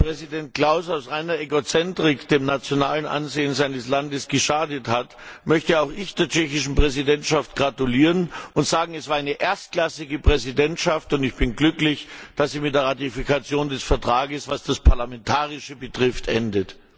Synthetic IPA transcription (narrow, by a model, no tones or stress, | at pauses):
pʁ̥ɛzidɛnt̚kl̥aʊsaʊsʁaɪnɐʔɛɡot͡sɛntʁ̥ɪkd̥eːmnat͡sjonaːlənʔa̰nzeːənzaɪnəslandəsɡ̥əʃaːdəthatmœçtəaʊxɪçd̥eːɐt͡ʃɛçɪʃn̩pʁ̥ɛzidɛntʃaftɡ̥ʁatuliːʁənʔʊntz̥aːɡŋ̩ɛsv̥aːɐaɪnəʔeːɐst̚klasɪɡəpʁ̥ɛzidɛntʃaftʊntɪçb̥ɪnɡlʏklɪçd̥asz̥iːmɪt̚d̥eɐʁatifikʰat͡sjoːndɛsfɛɐtʁ̥aːɡəsv̥asd̥aspʰaɐlamɛntʰaːʁɪʃəbətʁ̥ɪftʰʔɛndət